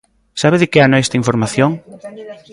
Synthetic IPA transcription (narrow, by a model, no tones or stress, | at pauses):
saβɪðɪkɪanoɛst̪aiɱfoɾmaθjoŋ